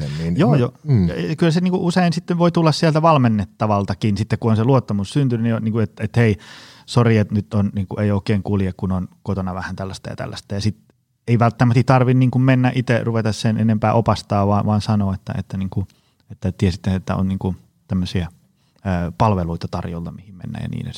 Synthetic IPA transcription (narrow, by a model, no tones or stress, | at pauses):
enninjoːjokylːseniːŋkuʔuseinsit̪ːeʋʋoit̪ulːɑssielt̪æʋɑlmenːet̪ːɑʋɑlt̪ɑkinsit̪ːekkuonseluot̪ːɑmussynt̪ynynionniːŋkuet̪et̪heisoriet̪nyt̪onniːŋkuʔeioˑikeːŋkulijekkunonkot̪onɑʋæhænt̪ælːæst̪æjɑ̰t̪æ̰lːæ̰st̪æjɑsit̪ | eiʋælt̪ːæmæst̪it̪ɑrʋinniːŋkummenːæʔit̪eruʋet̪ɑssenʔḛnempæːʔopɑst̪ɑːʋʋɑʋɑːnsɑnoːet̪ːæ̰ḛt̪ːæniːŋku | et̪ːæt̪iesit̪ːeet̪ːæ̰o̰nniːŋku | t̪æmːøsiæː | pɑlʋeluit̪ɑt̪ɑrjo̰lt̪ɑmihimmḛnːæ̰jɑ̰nḭːnḛ